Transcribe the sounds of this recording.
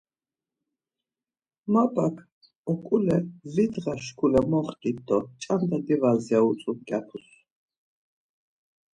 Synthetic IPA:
mabakʰ | ɔkʼulɛvid̪ʁaʃkʰulɛmɔχtʼit̪̚d̪ɔt͡ʃʼand̪ad̪ivazaut͡sʼuɡapʰus

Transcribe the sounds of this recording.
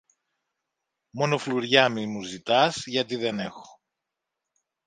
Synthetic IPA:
mo̞no̞fluɾʝɐmimuzit̪ɐzʝɐt̪iðe̞ne̞xo̥

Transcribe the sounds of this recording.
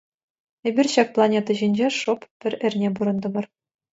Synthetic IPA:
ebʲirʲɕɑk̚plˠɑnʲet̪ɑʑinʲd͡ʑeʂoppʲɘ̆rʲɘ̆rʲnʲebuɾɤ̆nd̪ɤ̆bɤ̆r

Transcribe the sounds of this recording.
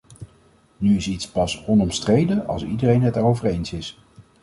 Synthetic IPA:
nyɪsitspɑsɔnɔmstrejdəɑ̰lˠsḭdərejnɦɛt̚daːrowvəɹejnsɪs

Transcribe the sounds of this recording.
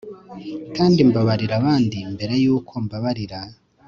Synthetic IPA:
kaːndimbaβaɾiɾaβaːndimbe̞ɾe̞juːkʰo̞mbaβaɾiɾa

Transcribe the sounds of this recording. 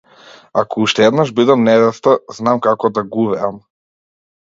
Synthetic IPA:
akɔuʃt̪ɛɛd̪naʒbid̪amnɛvɛst̪aznamkakɔd̪aɡuvɛam

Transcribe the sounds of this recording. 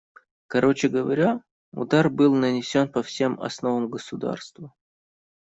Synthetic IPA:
kɐɾʔo̞t͡ɕɪɡəvɐɾʲa | ʊ̰d̪arbɨlˠnənʲɪsʲo̞npɐfsʲe̞mɐ̰sno̞vəmɡəsʊd̪a̰rst̪və

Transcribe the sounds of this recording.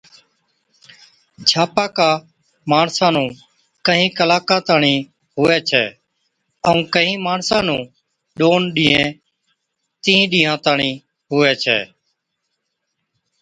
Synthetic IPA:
d͡ʒʰʱaːpaːkaː | maːɳsãːnũː | kəɦĩːkəlaːkãːt̪aːɳĩː | ɦʊːɛːt͡ʃʰɛ̰ː | əũːkəɦĩːmaːɳsãːnũː | ɗoːnɗĩːɦẽː | t̪ĩːĩːɗĩːɦãːt̪aːɳĩː | ɦʊːɛːt͡ʃʰɛ̰ː

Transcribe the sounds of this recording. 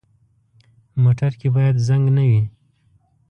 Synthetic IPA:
moʈaɾkebɑjad̪zaŋɡnawi

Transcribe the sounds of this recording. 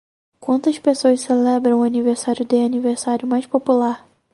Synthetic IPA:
kwɐ̃nt̪ɐʃpesoɐʃselɛbɾɐ̃w̃ʊaniveɾsaɾʲjʊd̪ɪaniveɾsaɾjʊmajʃpopulaɾ

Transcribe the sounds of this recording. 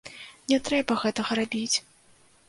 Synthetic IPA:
nʲɛt̪ɾɛbɐɣɛt̪ɐɣɐɾabʲit͡sʲ

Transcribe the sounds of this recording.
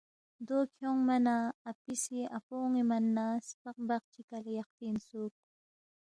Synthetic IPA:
d̪okʰjoŋmanaːpɪsɪapoŋimanːaspɑq̚bɑq̚t͡ʃɪkaljɑq̚t̪ɪnsuk

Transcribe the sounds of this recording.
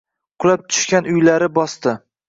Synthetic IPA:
qʰʊlˠap̚t̪ʰʊ̥ʃkʲanʊjlaɾɪbɒst̪ɪ

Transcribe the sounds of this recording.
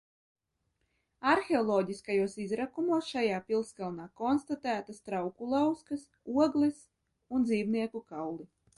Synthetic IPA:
aɾxʲeɔlˠɔːɟʲiskajuɔsizɾakumuɔsʃajaːpʲilˠskalˠnaːkɔnst̪at̪æːt̪ast̪ɾawkulˠawskas | uɔɡlˠɛs | und̪ziːwniɛkukawlˠi

